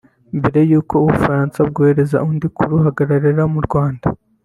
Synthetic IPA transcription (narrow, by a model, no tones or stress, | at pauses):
mbe̞ɾe̞juːko̞uβufaɾaːnsab̚ɡoːhe̞ɾe̞za̰undikuɾuɦaɡaɾaɾiɾamuɾɡwaːnda